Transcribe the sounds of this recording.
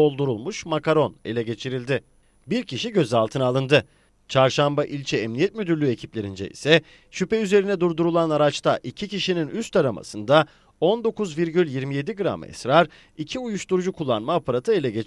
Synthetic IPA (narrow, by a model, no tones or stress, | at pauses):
o̞lˠd̪uɾulˠmuʃmakaɾo̞ne̞̰lʲɛɟe̞t͡ʃʰiɾilʲd̪ɪ | biɾcʰiʃiɟø̞zalˠt̪ʰɯnalˠɯnd̪ɯ | t͡ʃʰaɾʃambaʔilʲt͡ʃʰɛɛmnijɛt̪myd̪yɾlʲye̞cʰiplʲe̞ɾind͡ʒɛ̰ḭsɛ | ʃypɛyze̞ɾinɛd̪uɾd̪uɾulˠanaɾat͡ʃt̪ʰaʔicʰiciʃininyst̪aɾama̰sɯnd̪a | o̞nd̪o̞kuzviɾɟylʲjiɾmije̞d̪iɡɯɾa̰mɯɛ̰sɾaɾ | icʰiujuʃt̪uɾud͡ʒukʰulˠːanmaːpʰaɾat̪ʰɯe̞lʲɛɟet͡ʃ